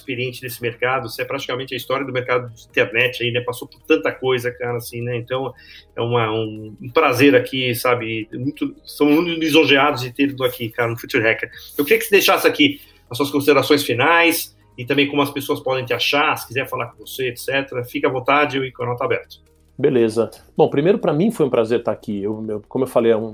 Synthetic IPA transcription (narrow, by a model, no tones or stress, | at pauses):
speɾiẽnt͡ʃɪd̪esɪmeɾkad̪ʊsɪɛpɾat͡ʃi̥kamẽnt͡ʃɪɐist̪ɔɾjɐd̪ʊmeɾkad̪ʊd͡ʒd͡ʒɪĩt̪eɾnɛt͡ʃɪainɛpasopʊɾt̪ɐ̃nt̪ɐkojzɐkaɾɐasĩnɛẽnt̪ɐ̃w̃ɛ̰ũmɐũũpɾazeɾakʰisabɪmũj̃t̪ʊst̪ɐ̃w̃mmũj̃t̪ʊnizõʒead̪ʊzɪt̪eɾd̪ʊakikaɾɐnʊfut͡ʃ̪iɾɛkeɾɐ̃wkɪɾiɐkɪ̥sɪd̪ejʃasɪaki | ɐs̬uɐskõsid̪eɾasõj̃sfinajs | ɪt̪ɐ̃mbẽj̃kõmʊɐspesoɐspɔd̪ẽj̃t̪ɪaʃaɾsɪ̥kizɛɾfalaɾkõvoseet̪sɛt̪eɾɐfikɐvõt̪ad͡ʒɪewikõɐnɔt̪ɐabɛɾt̪ɐ̥ | belezɐb̥õpɾimejɾʊpɾɐmĩfojũpɾazeɾt̪aːkiewewkõmʊewfalejɛũ